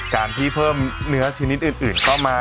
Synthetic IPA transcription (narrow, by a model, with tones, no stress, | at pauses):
kaː˧nt̪ʰiː˥˩pʰɤː˥˩mnɯ˦˥ɐt͡ɕʰiː˧ni˦˥t̪̚ʔɯː˨˩nʔɯː˨˩nkʰa˥˩wmaː˧